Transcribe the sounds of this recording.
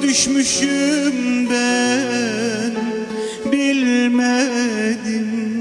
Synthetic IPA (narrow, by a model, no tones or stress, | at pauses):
d̪yʃmyʃymbæ | n | bilmæd̪ɪm